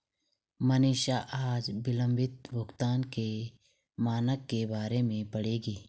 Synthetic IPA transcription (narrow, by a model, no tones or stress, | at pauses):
məniːʃaʔaːd͡ʒbɪlə̃mbɪt̪̚bʱʊkt̪aːnke | maːnəkːebaːɾemẽpɐɽeːɡiː